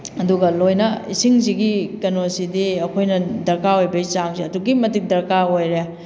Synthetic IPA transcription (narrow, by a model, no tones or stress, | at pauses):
ɐduɡɐlojnɐisiŋziɡikɐnosidiɐkʰojnɐdɐɾkaojbɐit͡ʃaŋziɐduɡimɐtik̚dɐɾkaojɾea